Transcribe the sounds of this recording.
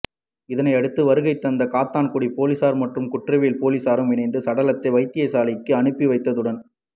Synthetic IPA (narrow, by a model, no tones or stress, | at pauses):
ɪðɐnɐɪɐɽɯt̪ːɯʋɐɾɯɣɐɪt̪ːɐnd̪ɐkaːt̪ːaːnkʊɽipoːlɪsaːɾmɐʈrɯmkʊʈrɐʋiːlpoːlɪsaːɾɯmʋɪɳɐɪnd̪ɯsɐɽɐlɐt̪ːɐɪʋɐɪt̪ːɪjɐɪsaːlɪkːɯɐɳɯpːiʋɐɪt̪ːɐðɯɽɐn